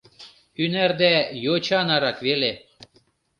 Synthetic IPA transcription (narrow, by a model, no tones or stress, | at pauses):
ynærd̪æjot͡ɕɑnɑɾɑkvele